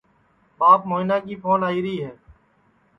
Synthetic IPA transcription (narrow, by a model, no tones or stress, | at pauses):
ɓaːpmoːɪnaːk̬iːpʰoːnaːiːɾəɦiːɦɛː